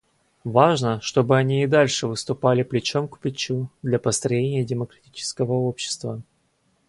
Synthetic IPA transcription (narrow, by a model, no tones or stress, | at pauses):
vaʐnəʂt̪o̞bɨɐnʲiːd̪alʲʂɨvɨst̪ʊpalʲɪplʲɪt͡ɕo̞mkʊ̥pʲɪt͡ɕud̪lʲapəst̪ɾɐjenʲɪjədʲɪməkɾɐtʲit͡ɕɪ̥skəvəo̞pɕːɪ̥st̪və